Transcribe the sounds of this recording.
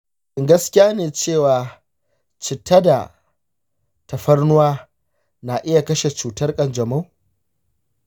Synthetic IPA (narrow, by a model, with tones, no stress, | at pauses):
ʔɪ˨ŋɡɐ˦skʲɪ˦jaː˦neː˨t͡ʃeː˦˨waː˨ | t͡ʃɪ˨tɐ˦da˨ | tɐ˨ɸɐ˦rnʊ˦waː˦ | na˨ʔɪ˦ja˨kɐ˦ʃe˨t͡ʃuː˨tɐ˦rkʼɐ˨nd͡ʒɐ˨ma˦w